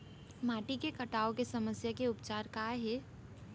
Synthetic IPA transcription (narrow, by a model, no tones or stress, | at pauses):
maːʈikekɐʈaːokesɐməsjakeʊp̚t͡ʃaːɾkaːɦɛː